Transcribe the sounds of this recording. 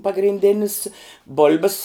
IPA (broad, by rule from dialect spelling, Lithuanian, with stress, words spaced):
pɐɡrʲɪnʲˈdʲeːnʲɪs ˈboːlʲbʲɪs